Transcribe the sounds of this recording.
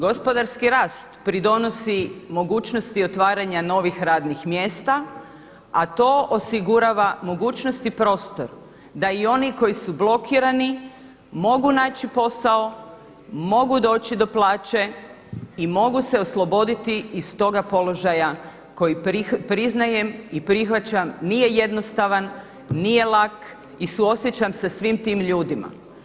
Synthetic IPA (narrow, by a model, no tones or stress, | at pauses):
ɡo̞spo̞d̪aɾskiɾaːst̪pɾid̪o̞no̞simo̞ɡuːt͡ʃnost̪io̞t̪ʋaːɾaɲano̞ʋixɾaːd̪nixmje̞ːst̪a | at̪o̞ːʔosiɡuɾaʋamo̞ɡuːt͡ʃnost̪ipɾo̞ːst̪o̞̰ɾ | d̪aio̞niko̞jisublˠo̞kʰiɾani | mo̞ɡunaːt͡ɕipo̞sao̞ | mo̞ɡud̪o̞ːt͡ɕid̪o̞plˠaːt͡ɕe̞ | imo̞ɡuse̞oslˠo̞bo̞d̪it̪iːst̪o̞ɡapo̞lo̞ʒaja | ko̞jiipɾiznaje̞mipɾixʋat͡ɕamnije̞je̞d̪no̞st̪aʋanː | ije̞lak | isuo̞sjet͡ɕamsasʋimt̪imʎuːd̪ima̰